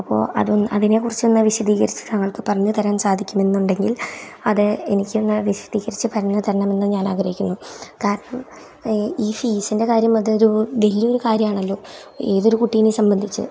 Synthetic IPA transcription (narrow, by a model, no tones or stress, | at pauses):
ɐpːo̞̰ːʔɐ̰ðunɐðine̞kurit͡ɕːɨenːɨʋiɕɐðiːɣɐɾit͡ɕːɨ̥t̪ɐŋːɐɭkɨpɐrɐɲːɨt̪ʰɐɾansaːd̪ʱikʲːume̞nːuɳɖe̞ŋɡilɐðɨe̞nikʲːenːɨʋiɕɐ̥diːɣɐɾit͡ɕːɨpʰɐɾɐɳːɨt̪ʰɐɾɐɳɐme̞nːɨɲaːnaːɡɐɾɐjikʲːunːukaːɾɐɳɐm | iːfiːsinde̞kaːɾjɐmɐðɨoɾuʋɐlijo̞ɾukaːɾjɐmaːɳɐlːo̞ːe̞ːðo̞ɾukuʈːijnesɐmbɐnd̪ʱit͡ɕːɨ̰